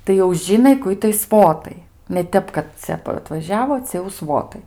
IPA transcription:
tɐɪ jɛʊ ˈʒʲɪnɐɪ kʊ ˈɪtɐɪ ˈsʋoːtɐɪ nʲɛ ˈtʲɛp kɐt ˈt͡sʲɛ ɐtʋɐˈʒʲæːʋoː ˈt͡sʲɛ jɛʊ ˈsʋoːtɐɪ

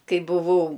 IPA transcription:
ˈkɐɪ bʊˈʋɐʊ

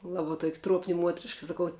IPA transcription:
ˈlˠɑːbɐ tuɔkʲ ˈtruɔpʲnʲɪ ˈmuɔtʲrʲɪʃkɐ sɐˈkɐʊ

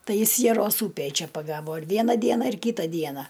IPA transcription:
ˈtɐɪ ˈjɪs jɛˈroːs ˈuːpʲeːj ˈt͡ʃʲɛ pɐˈɡɑːʋoː ɪr ˈʋʲiɛnɐ ˈdʲiɛnɐ ɪr ˈkʲiːtɐ ˈdʲiɛnɐ

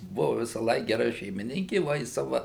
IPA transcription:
ˈbʊʋʊ ʋʲɪsɑːˈlˠɐɪk ɡʲɛˈrɐ ʃʲɛɪmʲɪˈnʲɪŋʲkʲɪ ˈʋɐ ɪ ˈsɑːʋɐ

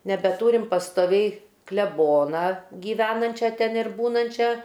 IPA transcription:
nʲɛbʲɛˈtuːrʲɪm pɐstoːˈʋʲɛɪ klʲɛˈboːnɐ ɡʲiːˈʋʲæːnɐnʲt͡ʃʲɛ tʲɛn ɪr ˈbuːnɐnʲt͡ʃʲɛ

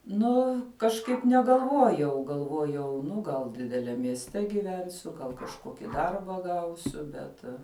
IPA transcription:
ˈnʊ kɐʃˈkɐɪp nʲɛɡɐlˠˈʋuɔjɛʊ ɡɐlˠˈʋuɔjɛʊ ˈnʊ ɡɐlˠ dʲɪdʲɛˈlʲɛm mʲiɛsʲˈtʲɛ ɡʲɪˈʋʲɛnʲsʲʊ ɡɐlˠ kɐʃˈkoːkʲɪ ˈdɐrbɐ ˈɡɐʊsʲʊ ˈbʲɛt

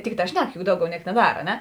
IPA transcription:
ˈtʲɪkˌtɑː ˈʃʲnʲɛk jʊk ˈdɐʊˌɡʲɛʊ ˈnʲiɛk nʲɛˈdɐr ɐ ˈnʲɛ

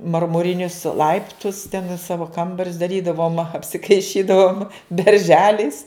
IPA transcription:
mɐrmʊˈrʲɪnʲʊs ˈlˠɐɪptʊs tʲɛn ɪ ˈsɑːʋoː ˈkɐmbɐrʲʊs dɐˈrʲiːdɐʋoːm ɐpʲsʲɪkɐɪˈʃʲiːdɐʋoːm bʲɛrʲˈʒʲæːlʲɛɪs

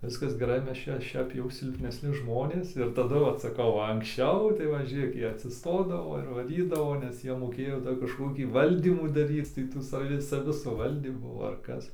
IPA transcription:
ˈʋʲɪskɐs ɡʲɛˈrɐɪ ˈmʲɛs ˈt͡ʃʲɛ ˈʃʲɛp jɛʊ sʲɪlʲpʲnʲɛsʲˈnʲɪ ˈʒmoːnʲeːs ɪr tɐˈdʊ ˈʋɐt sɐˈkɐʊ ʋɐ ɐŋksʲˈt͡ʃʲɛʊ tɐɪ ˈʋɐ ˈʒʲeːk ˈjiɛ ɐtʲsʲɪsˈtoːdɐʋoː ɪr ʋɐˈrʲiːdɐʋoː nʲɛs ˈjiɛ moːˈkʲeːjoː ˈdɐr kɐʃkoːˈkʲiː ˈʋɐlʲdʲiːmʊ dɐˈrʲiːt͡s tɐɪ ˈtuː sɐˈʋʲɪ sɐˈʋʲɪ sʊˈʋɐlʲdʲiːmuː ɐr ˈkɐs

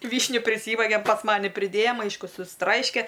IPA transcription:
ˈʋʲiːʃʲnʲʊ pʲrʲɪˈsʲiːʋɐɡʲɛm pɐs ˈmɑːnʲɪ pʲrʲɪˈdʲeːjɛm ˈɐɪʃkʊ sʊsˈtrɐɪʃʲkʲɛ

